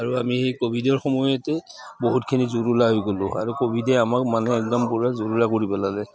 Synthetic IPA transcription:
aɹuamiekobʱidɔɹxɔmɔjɔtɛ | boɦutkʰinizuɹulaɦojɡolʊ̃a̰ɹukobʱidɛamakmanɛːkdampʊɹazuɹulakoɹibɔlalɛ

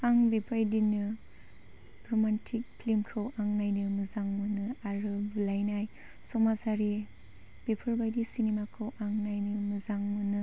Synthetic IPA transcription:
aŋbepʰajdinɯ | bɾɔmantʰik̚pʰlimkʰɯwʔaŋnajnɯmɯzaŋmɯnɯaɾɯbulajnaj | sɔmasaɾi | b̥epʰɯɾbajdisinemakʰɯwʔaŋnajnɯmɯzaŋmɯnɯ

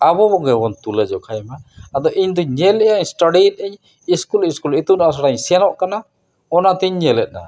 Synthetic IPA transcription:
abɔbɔɡɛbɔnt̪ulɛd͡ʒɔkʰajɛmaːd̪ɔʔiɲd̪ɔɲɛlɛʔaɲsʈaɖit̪̚ˀɛɲ | iskuliskulit̪udaʔas̬aɽaɲsɛanɔʔkana | ɔnat̪ɛɲɲɛlɛt̪̚na̰

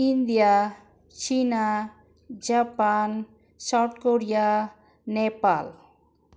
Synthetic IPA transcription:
ind̪ija | t͡ʃina | d͡ʑapan | saʈkoɾija | nepal

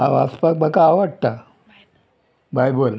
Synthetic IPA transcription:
a̰ʋaspak̚bʱakaːʋəɽt̪a | bajbol

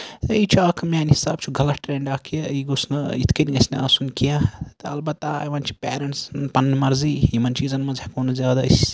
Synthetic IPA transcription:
t̪ɐit͡ʃʰuaːkʰɐmʲaːnhisaːb̚t͡ʃʰuɡʱɐlɐʈʈɾʲeɳɖaːkʰijɐiɡosnɨit̪ʰkɐnʲiɡɐsʲnɐɐsunkijɐt̪ɨɐlbɐt̪ːaʋɐnt͡ʃʰi̥pʲeːɾɐɳʈsnpɐnnimɐɾziːimɐnt͡ʃiːzɐnmɐzekoːnɐzʲjaːd̪ɐsʲ

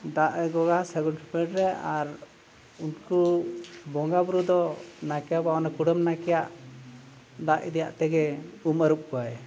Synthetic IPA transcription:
d̪aʔɛɡɔɡasɛɡɔnʈʰipɛʈɾɛaɾ | unkubɔŋɡabɾud̪ɔnakɛjabaɔnakuɽəmnakɛjaʔ | d̪aʔḭd̪ija̰ʔt̪ɛɡɛuməɾup̚kɔaj

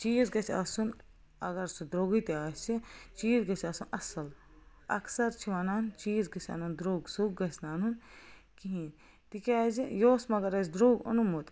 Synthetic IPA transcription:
t͡ʃiːzɡɐt͡ʃʰʲa̰sun | ɐɡɐɾsud̪ɾoːɡit̪iaːst͡ʃit͡ʃiːzɡɐt͡ʃʰaːsunɐsɐl | ɐ̰ksɐɾt͡ʃʰiʋɐnaːnt͡ʃiːzɡɐt͡ʃʰʲa̰nɐnd̪ɾoːɡsuɡ̚ɡɐsʲnaːnun | kiɦĩːn | t̪ikʲaːzijoːsmɐɡɐɾɐzd̪ɾoːɡɐ̰numut̪

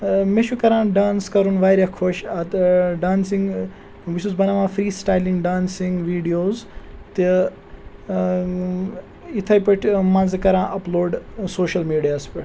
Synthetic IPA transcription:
meʃukɐɾãːɖaːnskɐɾunʋaːjɾjakʰoʃɐt̪ɖaːnsiŋɡ | ʋisuzbɐnaʋãːfɾiːsʈaːjlĩŋɡɖaːnsiŋɡʋiːɖijoːzt̪i | it̪ʰɐjpɐʈʰmɐ̃nzkɐɾãːʔɐploːɖsoːʃɐlmiːɖijaːspiʈ

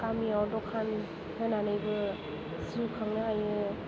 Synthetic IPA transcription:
kamiawdɔkʰan | hʰɯnanɯjbɯ | sɯkʰɯŋnɯajɯ

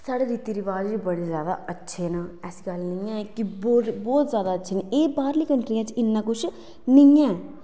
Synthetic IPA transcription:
saːɽeːɾiːt̪iːɾiːʋaːd͡ʒʋiːbəɽiːzjaːd̪a̰ːətːʃʰeːnaːɛːsiɡəlnəãːkɪbbɔːt̪zjaːd̪aːətːʃʰeːnaʔeːbaːɾliːkəɳʈɾijãːt͡ʃɪnːãːkʊt͡ʃʰ | nɪãːɛ

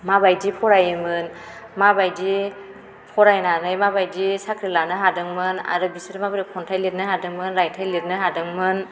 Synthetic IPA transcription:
mabajdipʰɔɾajɯmɯn | mabajdi | pʰɔɾajnanɯjmabajdisakʰɾilanɯɦadɯŋmɯna̰ɾɯbisɯɾɯmabɯɾɯkʰɔntʰajlet̚nɯhadɯŋmɯnɾajtʰajleɾ̚nɯɦadɯŋmɯn

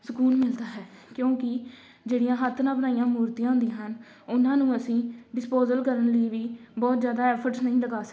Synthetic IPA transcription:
səkuːnmɪld̪aːɦɛːkjõːkɪ | d͡ʒeːɽijãːɦət̪ʰːnãːbənaːijãːmuːɾt̪ijãːɦʊ̃nd̪iãːɦən | ʊnãːnũːəsĩːɖɪspoːzəlkəɾənləiːʋiːbɔːt̪zjaːd̪aːɛːpʰəɾʈsnəĩːləɡaːsə̥

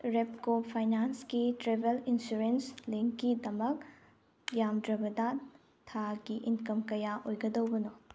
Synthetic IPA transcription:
ɾep̚kopʰajnanskitɾebelinsuɾensliŋkːidɐmɐk̚ | jamdɾɐbɐdɐ | tʰaɡiʔinkɐmkɐjaʔojɡɐdɐwbɐno

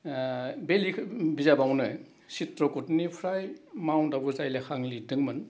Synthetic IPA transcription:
belibizabawnɯ | sitɾɔkutnipʰɾajmawndabɔzajlakʰaŋlidɯŋmɯn

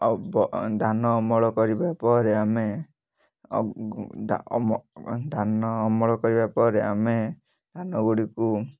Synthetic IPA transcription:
bɔd̪ʱanɔmɔɭɔkɔɾibapɔɾeame | d̪ʱanɔːmɔɭɔkɔɾibapɔɾeame | d̪̥ʱanɔɡuɽiku

